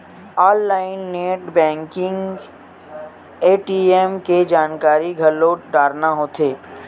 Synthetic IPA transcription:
ɔːlːaːɪnːeːʈbɛ̃ːŋkɪ̃ŋɡ | eːʈiemked͡ʒaːnkaːɾiɡʱɐloɖaːɾnaɦoːt̪ʰeː

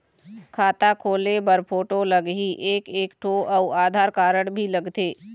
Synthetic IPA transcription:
kʰaːt̪akʰoːlebəɾpʰoːʈoləɡɦiʔeːkeːkʈʰoːʔɔaːd̪ʱaːɾkaːɾəɽbʱilɐɡt̪eː

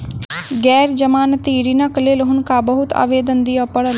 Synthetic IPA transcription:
ɡɛːɾd͡ʒəmaːnt̪iːɾiːnakleːlɦʊnkaːbəɦʊt̪a̰ːʋeːd̪ənd̪iːəpəɽ

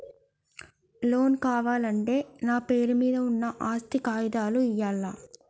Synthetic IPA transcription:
lo̞ːnkaːʋaːlɐɳʈe̞ːnaːpe̞ːɾumiːd̪ɐunːɐʔaːst̪ikaːjid̪aːluijaːlːaː

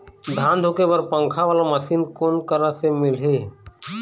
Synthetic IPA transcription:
d̪ʱãːnd̪ʱoːkebəɾpə̃ŋkʰaʋaːlaməsiːnkoːnkəɾasemɪlɦeː

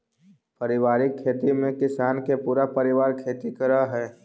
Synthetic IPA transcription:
pɐɾɪʋaːɾɪkʰːeːt̪imẽkɪsaːnkepuːɾapɐɾɪʋaːɾkʰeːt̪ikəɾaɦɛː

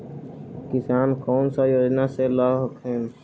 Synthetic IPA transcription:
kɪsaːnkɔːnsajoːd͡ʒnaselaːɦəkɦɛːn

